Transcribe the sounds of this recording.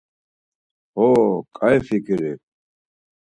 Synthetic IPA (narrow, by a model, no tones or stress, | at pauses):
hokʰʼajfikiɾe